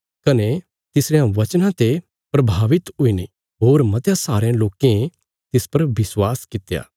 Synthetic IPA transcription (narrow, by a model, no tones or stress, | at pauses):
kɐne | t̪ɪsɾejãʋɐt͡ʃnãt̪e | pɾɐbʱaːʋɪt̪ɦʊine | ɦoːɾmɐt̪jãsaːɾejãloːkẽ | t̪ɪspɐɾʋɪswaːskɪt̪ja̰ː